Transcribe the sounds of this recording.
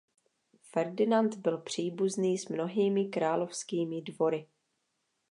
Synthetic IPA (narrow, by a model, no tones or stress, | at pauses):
fɛɾdɪnant̪bɪlpr̝̥iːbuzniːsmno̞ɦiːmɪkɾaːlo̞fskiːmɪdvo̞ɾɪ